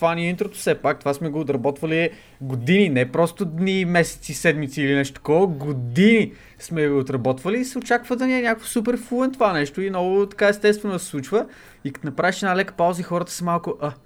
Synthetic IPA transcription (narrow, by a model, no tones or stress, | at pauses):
t̪vaniint̪ɾot̪o̥sɛpak̚t̪ovasmɛɡoːt̪ɾɐbɔt̪vəli | ɡod̪ininɛpɾɔst̪ʊd̪nimɛsɛ̥t̪sisɛd̪mit̪siːlinɛʃt̪o̥t̪ɐkɔɡod̪ini | smɛɡoot̪ɾɐbɔt̪vəliːsɛot͡ʃakvəd̪ɐniɛnʲakə̥fsup̬ɛɾfulˠɛnt̪ovanɛʃt̪oinɔɡʊt̪ɐ̥kaɛst̪ɛst̪vɛnod̪əsɛ̥slˠut͡ʃvə | ikɐ̥t̪onɐpɾaviʃɛd̪nalɛkə̥paʊzəixɔɾət̪ə̥sɐmalˠkʊʔa